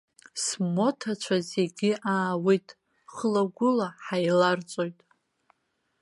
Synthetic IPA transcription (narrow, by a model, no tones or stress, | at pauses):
smo̞tʰat͡ʃʷʰazeɡʲɪʔaːwejtʼ | χəlaɡʷʊlaħajlart͡sʷʼo̞jtʼ